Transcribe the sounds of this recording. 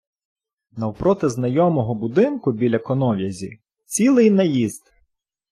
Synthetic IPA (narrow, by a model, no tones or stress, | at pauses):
nɐwpɾɔt̪ɪznɐjɔmɔɦɔbʊd̪ɪnkʊbʲilʲɐkɔnɔwjɐzʲḭ | t͡sʲilˠɪjnɐjizd̪